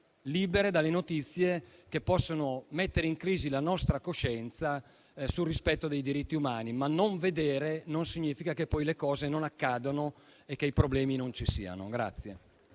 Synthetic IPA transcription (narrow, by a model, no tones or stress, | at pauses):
liːbeɾed̪alːenot̪it̪sːjekepːɔsːonomet̪ːeɾeiŋkɾiːzilanɔst̪ɾakoʃɛnt̪sa | sulrːispɛt̪ːod̪ejd̪iɾit̪ːiumaːnimanːoɱved̪eːɾenonsiɲːiːfikakepːɔjlekɔːzenonakːaːd̪ono | ekːeipɾoblɛːminont͡ʃisḭːa̰no̰ɡɾa̰t̪sːje